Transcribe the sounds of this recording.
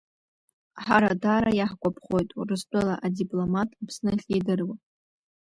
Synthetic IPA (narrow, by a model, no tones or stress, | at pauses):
ħaɾadaːɾajaħkʷʼapʰχo̞jtʼurɨst͡pʷʼɨlaʔadipʼlomatʼapʰsnɨχʲidɨrwa